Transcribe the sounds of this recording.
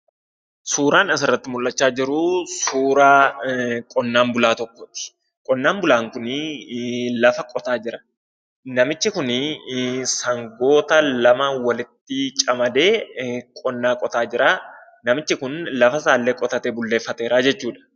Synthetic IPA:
suːɾaːnɪs̬ɪrːɐt̪ːɪmʊlːɐt͡ʃːaːd͡ʒɪɾʊsuːɾaːkʼɔnːaːmbʊlaːt̪ɔkːɔt̪ɪ̥ | kʼɔnːaːmbʊlaːŋkʊn | lɐfɐkʼɔt̪aːd͡ʒɪɾɐ̥ | nɐmɪt͡ʃːɪkʊn | sɐŋɡo̞ːt̪ɐlɐmɐwɐlɪt̪ːɪt͡ʃʼɐmɐd̪e̞ːkʼɔnːaːkʼɔt̪aːd͡ʒɪɾaː | nɐmɪt͡ʃːɪkʊnlɐfɐs̬aːlːeːkʼɔt̪ɐt̪eːbʊlːeːfːɐt̪eːɾaːd͡ʒɛt͡ʃːuːᶑɐ̥

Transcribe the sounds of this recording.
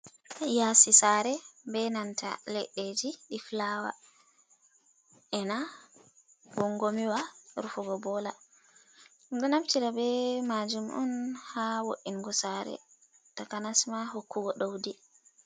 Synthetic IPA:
jasisaɾɛbɛnanta̰lɛɗːed͡ʒiɗiflawa̰ | ʔɛna | ɡɔŋɡomiwaɾufuɡɔbɔla | ɗɔnamtiɾabɛmad͡ʒumʔɔ̰nhawo̰ʔiŋɡɔsaɾɛ̰ | takanasmaɦokːuɡɔɗowdi

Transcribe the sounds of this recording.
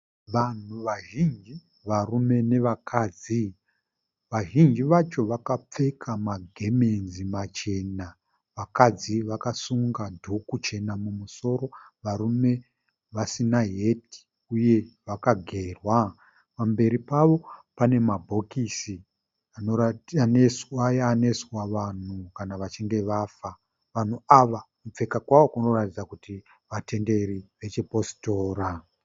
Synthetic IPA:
ʋan̤uʋaʒind͡ʒi | ʋarume̞ne̞ʋakʰaːd͡zi | ʋaʒind͡ʒiʋat͡ʃo̞ʋakap͡fe̞kʰamaɡʱeme̞nzimat͡ʃe̞na | ʋakad͡ziʋakasuŋɡadʱukut͡ʃe̞namumuso̞ɾo̞ʋaɾume̞ | ʋasinaɦeti̥ | uje̞ʋakaɡʱe̞ːrwa | pambe̞ɾipaʋo̞pane̞mabʱo̞kisi | anoanesajːne̞swaʋan̤ukanaʋat͡ʃeŋɡe̞ʋafa | ʋan̤uaʋamup͡fe̞kakwaʋo̞kuno̞ratid͡zakuti | ʋate̞nde̞riʋe̞t͡ʃipo̞si̥to̞ːɾa

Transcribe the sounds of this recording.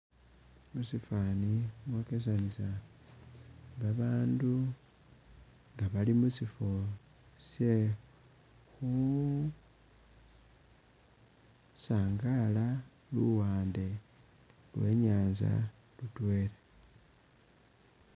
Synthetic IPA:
musifaːnimwokes̬anisa | βaβaːndu | ŋɡaβalimusifo | sje̞ | xu | saːŋɡala | luwaːnde̞ | lwe̞̰ɲaːnza̰ | lutwe̞ːle

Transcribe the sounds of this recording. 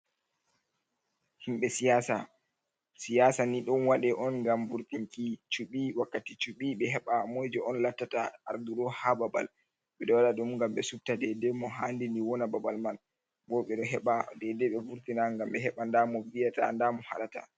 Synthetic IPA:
himɓɛsijasa | sijasaniɗɔnwaɗɛʔɔnŋɡamvuɾtiŋkit͡ʃuɓiwakːatit͡ʃuɓiɓɛɦɛɓamɔjd͡ʒɔɔnlatːataaɾd̪uɗɔhababa̰l | ɓɛɗɔwaɗaɗumŋɡamɓɛsub̚tadɛdɛmɔɦandiniwɔnababalman | bɔɓɛɗɔɦɛɓadɛdɛɓɛvuɾtinaŋɡamɓɛɦɛɓandamɔvijata̰ndamɔha̰ɗata̰

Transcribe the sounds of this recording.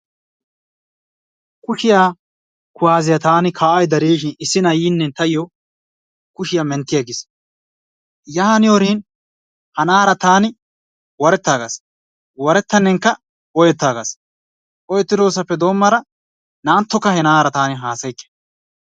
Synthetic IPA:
kʊʃɪjaː | kʊwaːzɪjɐt̪aːnɪkʰaːʔɐjd̪ɐɾiːʃ̬ɪnɪsːɪnɐjiːnːɛt̪ɐjɪjɔ | kʊʃɪjamɛnt̪ːɪjɐɡɪs | jaːhɐnɪjoːɾiːn | hɐnaːɾɐt̪aːnɪ | wɔɾɛt̪ːaːɡas | wɔɾɛt̪ːɐnːɛŋkːɐ | ʔɔjɛt̪ːaːɡas | ʔɔjɛt̪ːɪd̪oːs̬ɐpːɛd̪o̞ːmːɐɾɐ | naːnt̪ːɔkːɐhɛnaːɾɐt̪aːnɪɦaːsɐjkːɛ̥

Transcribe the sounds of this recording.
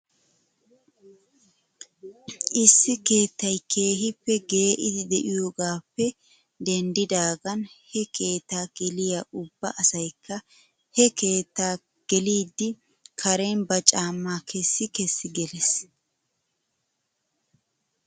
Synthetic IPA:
ʔɪsːɪke̞ːt̪ːɐjkʰeːɦɪpːɛɡe̞ːʔɪd̪ɪd̪ɛʔɪjoːɡaːpːɛ | d̪ɛnd̪ɪd̪aːɡɐnhɛkʰe̞ːt̪ːaːɡ̥ɛlɪjaʊbːɐʔɐsɐjkʰːɐ | hɛke̞ːt̪ːaː | ɡ̥ɛliːd̪ːɪ | kʰɐɾenbɐt͡ʃʼaːmːaːkʰɛsːɪkɛsːɪɡɛlɛs

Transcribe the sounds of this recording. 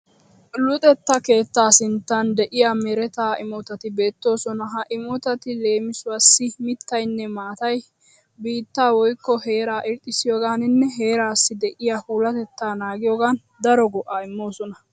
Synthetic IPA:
lʊt̪ʼɛt̪ːɐke̞ːt̪ːaːsɪnt̪ːɐnd̪ɛʔɪjaːmɛɾɛt̪aːʔɪmoːt̪ɐt̪ɪbe̞ːt̪ːo̞ːsɔnɐɦɐʔɪmɔːt̪ɐt̪ɪle̞ːmɪsʊɐsːɪmɪt̪ːɐjnːɛmaːt̪ɐj | biːt̪ːaːwɔjkːɔhe̞ːɾaːʔɪɾt̪ʼːɪsɪjoːɡaːnɪnːɛɦe̞ːɾaːsːɪd̪ɛʔɪjaːhuːlɐt̪ɛt̪ːaːnaːɡɪjoːɡaːn | d̪ɐɾɔɡɔʔaːɪmːo̞ːsɔnɐ

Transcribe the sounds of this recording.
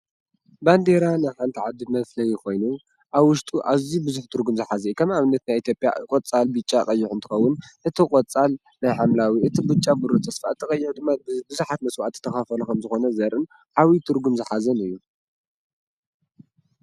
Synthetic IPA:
band̪e̞ɾanajħant̪ʰiʕad̪ɨmɐflɐjːɪxo̞jnu | ʔaβwʊʃt̪ʼuʔaβzibɨzuħt̪ʰɨɾɡumzɨħazɐikʰɐmaβɨnːɐt̪najit̪ʰjo̞pʼja̰kʼot͡sʼalbɨt͡ʃʼakʼɐjːɪħʊnt̪ʰɨ̥xɐwːʊnʔɨt̪ʰikʼot͡sʼal | najħamlawiʔɨt̪ʰibɨt͡ʃʼːabɨɾot̪ʼʰːɐsfa̰t̪ʰːɨkʼɐjːɪħd̪ɨmːabɨzuħat̪̚mɐswʔat̪ʰːɨ̥t̪ʰːɐxafɐlukʰɐmzɨxo̞nɐzɐɾʔɨn | ʕawit̪ʰɨɾɡumzɨħazɐnɨjːu

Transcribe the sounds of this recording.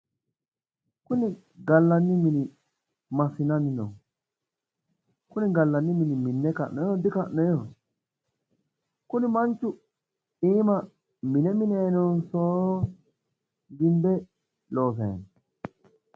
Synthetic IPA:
kuni | ɡalːanːimini | masinaninɔ̰ŋ | kuniɡalːanːiminiminːɛka̰ʔnɔjɔd̪ikaʔnɔjɔ | kunimant͡ʃu | iːma | minɛminɛnɔnsɔ | ɡimbɛ | lɔfɛ̰ːn

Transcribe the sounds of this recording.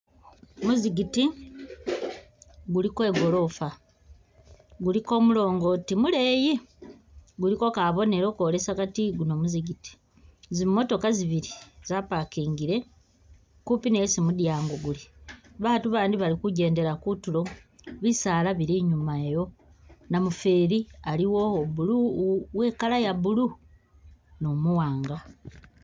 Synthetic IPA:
muziɡiti | ɡulikwe̞ːɡo̞lo̞fa | ɡuliko̞mulo̞ːŋɡo̞timule̞ːji | ɡuliko̞kaβo̞ne̞ɾo̞koːle̞sakatiɡuno̞muziɡiti̥ | zimmo̞to̞kaziβiɾiz̥apakiːŋɡiɾe̞ | kupinejsimudjaːŋɡoɡuliβatuβaːndiβalikuɟe̞ːnde̞ɾakutulo̞βisaːlaβiɾiɲumaejo̞ | namufe̞ːɾialiwo̞βuluweːkalajaβulu | no̞muwaːŋɡa

